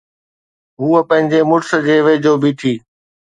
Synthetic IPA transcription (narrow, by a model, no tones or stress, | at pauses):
ɦuːəpə̃ɦɪ̃ɲd͡ʑeːmʊʈsəd͡ʑeːʋeːd͡ʑoːbʱiːt̪ʰiː